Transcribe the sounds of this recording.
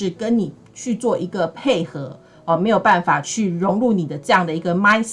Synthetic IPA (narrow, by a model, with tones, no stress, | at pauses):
ɻ̩˥˩kə˦nni˨˩ | t͡ɕʰy˥˧t͡swɔ˥˩ʔi˧˥ɡə˨pʰe˥˩ɪxɤ˧˦ | ɔ˨˩me˧˥ɪjo˨˩ʊpa˥˩nfa˨˩t͡ɕʰy˥˩ɻʊ˧˥ŋɻu˥˩ni˨˩d̪ə˦ʈ͡ʂɤ˥˧jɑ˥˩ŋd̪ə˩i˧˥ɡə˨ma˥ɪɕ